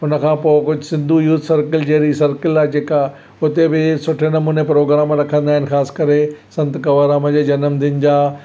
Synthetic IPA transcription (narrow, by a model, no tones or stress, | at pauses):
ɦʊnə̆kʰãːpoːɪkʊd͡ʑʱʊsɪ̃nd̪ʱujuːt̪ʰsɐɾkəld͡ʑeɾisɐɾkɪlaːd͡ʑeːka | ʊt̪ebɪsʊʈʰenɐmuːnepɾoːɡɾaːmɾɐkʰə̃nd̪aːɦɪnɪ̆xaːskɐɾesɐ̃nt̪kɐʋaːɾaːmə̃d͡ʑeːd͡ʑɐnəmd̪ʱɪnɪ̆d͡ʑaː